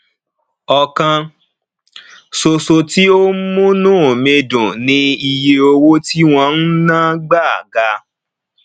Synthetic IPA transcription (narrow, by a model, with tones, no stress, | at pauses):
ɔ˧kã˧ | so˧so˧ti˦o˦mũ˦nũː˦˨mẽ˧dũ˨nĩ˧˦i˧je˧o˧wo˦ti˦w̃ɔ̃˧n̩˦nãː˦ɡ͡ba˦˨ɡa˧